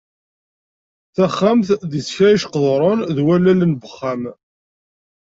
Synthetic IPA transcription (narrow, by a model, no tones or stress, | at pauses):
θæχːamθðisçæiʃqəðˤɾˤʊnðwælælənbəχːam